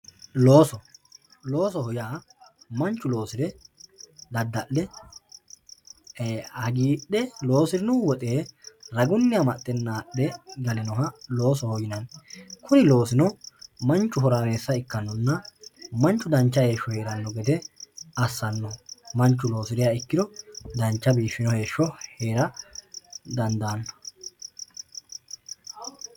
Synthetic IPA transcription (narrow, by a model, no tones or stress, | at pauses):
lo̞ːsɔlo̞ːsɔhɔjaːmɐnt͡ʃːʊlo̞ːsɪɾɛ | d̪ɐd̪ːɐʔːɛ | ɐɡiːɗɛlo̞ːsɪɾɪnʊwɔt̪ʼe̞ːɾɐɡʊnːɪjɐmɐt̪ʼːɛnːaːʔɛɡɐnɛnɔɦɐlo̞ːsɔhɔjɪnɐnkʰʊnɪlo̞ːsɪnɔmɐnt͡ʃːʊɦɔɾaːme̞ːsːɐɪkːɐnːɔnːɐmɐnt͡ʃːʊd̪ɐnt͡ʃːɐhe̞ːʃːɔhe̞ːɾɐnːɔɡɛd̪ɛɐsːɐnːɔmɐnt͡ʃːʊlo̞ːsɪd̪ɪjɐɪkːɪd̪ɔd̪ɐnt͡ʃːɐbiːʃːɪnɔhe̞ːʃːɔhe̞ːɾɐ | d̪ɐnd̪anːɔ̥